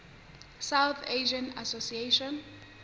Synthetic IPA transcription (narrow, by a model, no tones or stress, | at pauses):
sawθʰeʒãnasosieʃɔ̃n